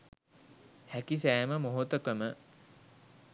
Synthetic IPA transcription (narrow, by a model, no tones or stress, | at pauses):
hækis̬æːməmoɦot̪əkəmə